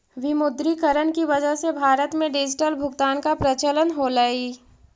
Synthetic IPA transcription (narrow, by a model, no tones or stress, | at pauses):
ʋɪmʊd̪ɾikəɾənkiʋɐd͡ʒəɦsebʱaːɾət̪mẽɖɪd͡ʒɪʈəlbʱʊɡt̪aːnkapɾɐt͡ʃələnɦolaːi